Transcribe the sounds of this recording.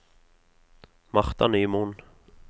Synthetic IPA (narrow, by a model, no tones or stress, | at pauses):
maχt̪aniːmun